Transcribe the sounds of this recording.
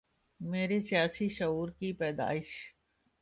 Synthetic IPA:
meːɾesjaːsiʃɐɦuːɾkipɛːd̪a̰ːɪʃ

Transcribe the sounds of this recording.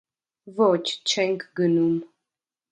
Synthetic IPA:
vɔt͡ʃt͡ʃɛŋkɡənum

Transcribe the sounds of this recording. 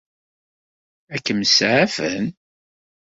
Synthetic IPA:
ækːəməsʕafən

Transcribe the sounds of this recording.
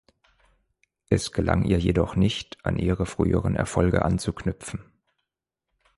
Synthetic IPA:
ʔɛsɡ̥əla̰ŋʔiːɐjedɔχnɪçtʔa̰nʔiːʁəfʁ̥y̰ːəʁənɛ̰ɐfɔlɡə̰ʔant͡suknʏpp͡fn̩

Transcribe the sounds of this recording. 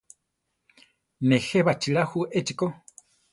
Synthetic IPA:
neheβat͡ʃiɺahuʔet͡ʃiko

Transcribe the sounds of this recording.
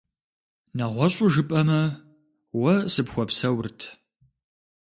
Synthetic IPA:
nɐʁʷɔɕʼʊʒɨpʼɐmɐ | wɐsɨpxʷɔpsɐwrtʰ

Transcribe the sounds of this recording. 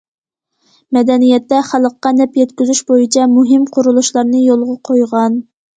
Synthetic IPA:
mɛd̪ɛnijɛt̪ːɛχælˠəqːɑnɛpjɛt̪kʲyzyʃbojit͡ʃʰɛmuɦɪmqʰʊɾulˠuʃlˠɑɾnɨjolˠʁɑqʰojʁɑn

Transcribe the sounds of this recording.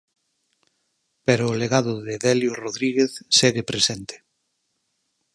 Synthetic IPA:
peɾoːleɣaðʊðeðɛljoroðɾiɣeθseɣepɾesent̪e̥

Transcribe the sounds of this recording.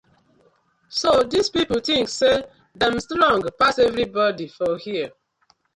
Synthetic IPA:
sodizpipltĩŋkse | dãmstlɔ̃ŋɡpasevɾibɔdifɔhiə

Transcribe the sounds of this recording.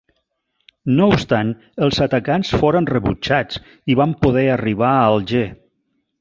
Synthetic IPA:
noupst̪an | əlˠzat̪akansfoɾənrəβut͡ʃat͡s | iβampuðɛəriβ̞aəlˠʒe

